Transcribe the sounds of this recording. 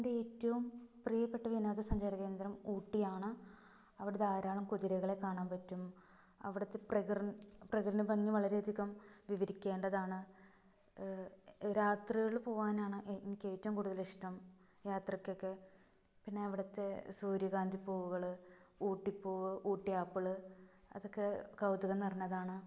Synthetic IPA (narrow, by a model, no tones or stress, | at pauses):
endeeːtːɐʋumprijɐpːe̞ʈːɐʋinaːðɐsɐɲd͡ʑaɾɐɣeːnd̪iɾɐmuːʈːijaːɳɨ | ɐʋiɽɐðeaːɾaːɭɐmkuðiɾɐɣɐɭe̞kːaːɳaːnpɐtːum | ɐ̰ʋiɽɐt̪ːe̞prɐɣrɐnprɐɣrɐnɨbɐŋːiʋɐɭɐɾeːd̪ʱikːɐmʋiʋɐɾikʲːe̞ːɳɖɐðaːɳɨ | ɾaːt̪riɣɐɭpo̞ːʋaːnaːɳɨʔenikʲːe̞ːtːɐmkuːɽuðɐliʂʈɐm | jaːt̪rɐkʲːo̞kːe̞ | pinːe̞ɐʋiɽɐt̪ːe̞suːɾjɐɣaːnd̪ʱipːo̞ːʋuɣɐɭɨuːʈːipːo̞ːʋɨʔuːʈːijaːpːɐɭɨ | ɐ̰ðo̞kːe̞kɐwd̪uɣɐnɐrinːɐðaːɳɨ